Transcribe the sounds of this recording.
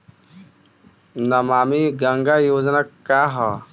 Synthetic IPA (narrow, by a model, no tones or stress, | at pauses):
nɐmaːmiɡɐŋɡajoːznakːaːɦa